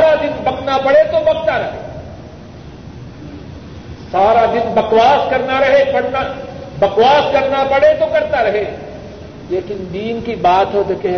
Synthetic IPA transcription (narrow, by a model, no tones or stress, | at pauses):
ɾad̪ɪnbɐknapɐɽet̪obɐɡ̚t̪aɾɐɦe | saːɾad̪ɪnbɐkwaːskɐɾnaɾɐɦepɐɽ̤nabɐkwaːskɐɾnapɐɽet̪okɐɾt̪aɾɐɦe | leːkɪnd̪iːnkibaːt̪ɦod̪ekɛ